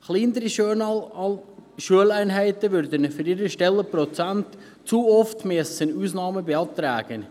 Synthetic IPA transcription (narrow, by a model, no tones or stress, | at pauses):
χliːnəɾi | ʃuəlæɪnɦæɪtəʋʏɾd̪ənfyɾɪɾəʃtɛlːəprɔt͡sænt | t͡suɔftmiəsənuːsnɑːməbeɑːt̪ɾa̰ːɡ̥ən